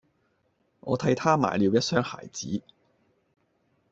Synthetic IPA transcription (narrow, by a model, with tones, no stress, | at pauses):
ŋʔɔ̰ː˨˧t̪ʰɐ˧jt̪ʰaː˥ma̰ː˨˩jliː˨˧wjɐ˥t̚sœː˥ŋha̰ː˨˩jt͡sḭː˨˥